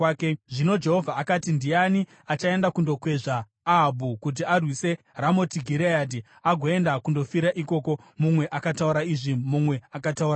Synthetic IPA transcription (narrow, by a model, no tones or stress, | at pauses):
keʐino̞d͡ʒe̞ɦo̞vʱaːkatindijani | at͡ʃae̞ndakundo̞kwe̞ʐaː | ɦːbʱukut̬iarwise̞ | ramo̞tiɡʱiɾejad̬i | aɡʱo̞e̞ndakundo̞fiɾaʔiko̞ko̞mumwe̞ʔakatauɾaiʐimumwe̞akatauɾa